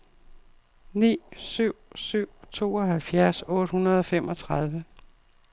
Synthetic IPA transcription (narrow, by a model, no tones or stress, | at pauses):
nḭːsyʊ̰syʊ̰t͡sʰo̝̰ːɒ̽ɦælfjæɐsɔ̽ːd̥hunɐð̞ˠɒ̽femɒ̽t͡sʰʁɑð̞ˠʋə